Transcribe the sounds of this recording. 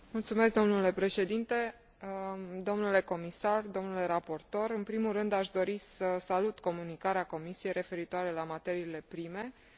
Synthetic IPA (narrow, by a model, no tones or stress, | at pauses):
mult̪sume̞s̬k̚d̪o̞mnule̞pɾe̞ʃe̞d̪int̪e̞ | d̪o̞mnule̞ko̞misard̪o̞mnule̞ɾapo̞rt̪o̞ɾɨnpɾimulrɨnd̪aʃd̪o̞ɾisəsalut̪ko̞munikaɾeako̞misije̞jɾʔe̞fe̞ɾit̪oaɾe̞lamat̪e̞ɾiːle̞pɾime̞